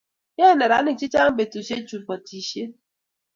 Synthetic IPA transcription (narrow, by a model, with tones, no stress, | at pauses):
ɲe˦˨ne˨ɾa˨˦nɪ˦˨t͡ʃi˦t͡ʃa˦ŋ̩˦be˨tu˨ʃe˦t͡ʃu˨k͡pɔ˨ti˨ʃe˦